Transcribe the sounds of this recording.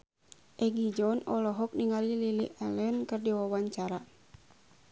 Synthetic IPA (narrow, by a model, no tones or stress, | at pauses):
ʔɛɡid͡ʒɔnɔlɔɦɔk̚niŋalililiʔɛlɛnkɨrdiwawaɲt͡ʃaɾa